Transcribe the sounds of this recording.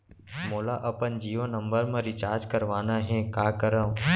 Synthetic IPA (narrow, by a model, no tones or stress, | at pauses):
moːlaːʔəpənd͡ʒiːʋənːə̃mbəɾmẽːɾit͡ʃaːɾd͡ʒkəɾʋaːnaːɦẽkaːkəɾə